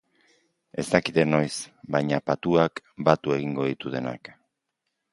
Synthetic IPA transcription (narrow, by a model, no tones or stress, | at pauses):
e̞st̪akit̪eno̞jsbajɲapat̪uakbat̪ue̞ɣ̞iŋɡo̞ðit̪uðe̞na̰k